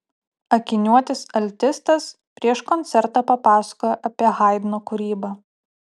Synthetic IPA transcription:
ɐkʲɪnʲuɔt̪ʲɪsɐlʲt̪ʲɪst̪ɐs | pʲɾʲiɛʃkɔnʲt̪sʲɛɾt̪ɑːpɐpɑːsɐ̥kojɛʔɐpʲiɛɣɑˑɪd̪ʲnoːkʊɾʲiːbɑ

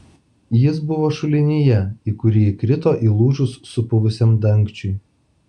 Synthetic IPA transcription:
jɪs̬bʊʋoːʃʊlʲɪnʲijɛiːkʊɾʲiːɪkɾʲɪt̪oːʔiːlˠuːʒʊsːʊpʊʋʊsʲɛmd̪ɐŋʲkt͡ʃʲʊɪ

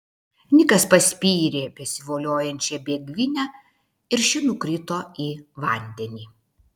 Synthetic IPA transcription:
nʲɪkɐspɐsʲpʲiːɾʲeːbʲɛsʲɪʋoːlʲoːjɛnʲt͡ʃʲɛbʲeːɡʲʋʲɪnʲɛ | ɪɾʃʲɪnukɾʲɪt̪oːiːʋɐˑnʲd̪ʲɛnʲiː

